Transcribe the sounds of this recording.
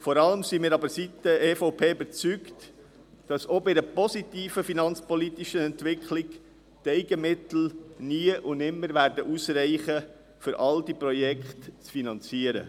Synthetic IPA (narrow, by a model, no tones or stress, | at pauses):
fɔɾɑləmsimɪːɾɑbəɾsitəeːfoʊpʰeːybəɾt͡sykt | d̥ɑsobɪdəpɔsit̪iːfəfinɑnt͡spɔlit̪iʃənɛntʋɪkʰlɪk | tɛɪɡəmɪt̪l̩niəʔʊnɪmːəɾvæːɾdəʔusɾɛɪχə | fʏɾʔɑld̥ipɾɔjɛkχtt͡sfinɑnt͡siəɾə̰